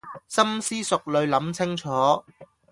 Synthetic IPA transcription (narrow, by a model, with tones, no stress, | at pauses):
sɐ˥msiː˥sʊ˨k̚lɵ˨˧ɥlɐ˨˥mt͡sʰɪ˥ŋt͡ʃʰɔː˨˥